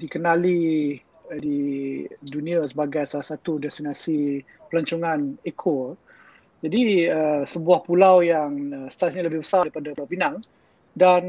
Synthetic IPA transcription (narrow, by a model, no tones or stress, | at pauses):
dikənali | di | dunĩasəbaɡajsalahsat̪udɛst̪inasi | pəlaɲt͡ʃuŋãnekʰo | d͡ʒadiəsəbuahpulawjaŋəst̪asɲaləbɪhbəsaipadaawbinaŋ | dan